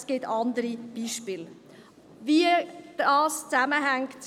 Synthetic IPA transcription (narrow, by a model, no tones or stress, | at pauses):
sɡ̥ɪtɑndəɾib̥iːʃpiːl | viːd̥ɑːst͡saməɦɛŋktt͡s